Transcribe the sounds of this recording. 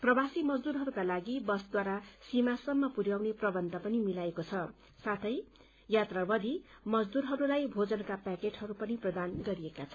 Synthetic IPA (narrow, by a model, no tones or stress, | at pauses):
prʌbasimʌd͡zd̪uɾɦʌɾukalaɡibʌsd̪waɾasimasʌmːʌpuɾjawneprʌbʌnt̪apʌnimilaekot͡sʰʌ | sat̪ʰʌj | jat̪rabʌd̪i | mʌd͡zd̪uɾɦʌɾulajbʱod͡zʌnkapakeʈhʌɾupʌniprʌd̪anɡʌɾiekat͡sʰʌ